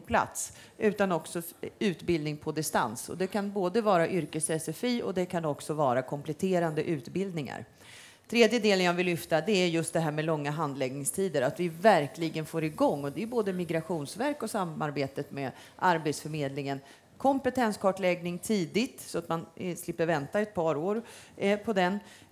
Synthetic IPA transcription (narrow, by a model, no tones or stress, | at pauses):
pʰla̰t̪s | ʔʉ̟ːt̪anɔksɔ | ʉ̟ːt̪bɪld̪nɪŋpʰɔd̪ɪst̪a̰nsɔ̰d̪ɛkʰanboːd̪əvɑːɾaʔʏɾkəsɛsɛfiːʔɔ̰d̪ɛkʰanɔksɔvɑːɾakʰɔmplɛt̪ʰeːɾand̪əʔʉ̟ːt̪bɪld̪nɪŋa̰ɾ | t̪ʰɾeːd̪jəd̪eːlənjavɪlːʏft̪ad̪ɛæɾjɵst̪̚d̪ɛɦæːɾmɛlɔŋːaɦand̪lɛɡnɪŋst̪ʰiːd̪əɾat̪vɪvæɾklɪɡənfoːɾɪɡɔŋːɔd̪ɛjɵboːd̪əmɪɡɾaɧuːnsvæɾkɔsamaɾbeːt̪ət̪mɛ | ʔaɾbeːt̪sfœɾmeːd̪lɪŋən | kʰɔmpɛt̪ʰɛnskʰɑːʈlɛɡnɪŋt̪ʰiːd̪ɪt̪sɔat̪manslɪpːəɾvɛnt̪aɛt̪̚pʰɑːɾoːɾpʰɔd̪ɛn